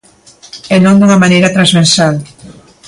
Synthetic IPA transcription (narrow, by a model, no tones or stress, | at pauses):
ɛnõŋd̪uŋɐmanejɾɐt̪ɾazβeɾsal